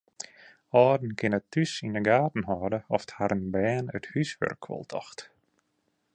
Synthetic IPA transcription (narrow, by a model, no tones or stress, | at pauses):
ɔːdn̩kʰɪnətʰːysindəɡaːtn̩ɦɔːdəɔfthaɾənbɛːnə̰thysʋø̰rkʰːʋɔ̰lˠtʰɔ̰xt